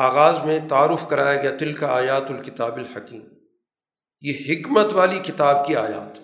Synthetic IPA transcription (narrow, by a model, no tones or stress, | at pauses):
aːɣaːzmẽt̪ɐaːɾʊfkɐɾaːjaɡɐjat̪ɪlkaaːjaːt̪ʊlkɪt̪aːbɪlħɐkiːm | jeːɦɪkmət̪ʋaːlikɪt̪aːb̚kiaːja̰ːt̪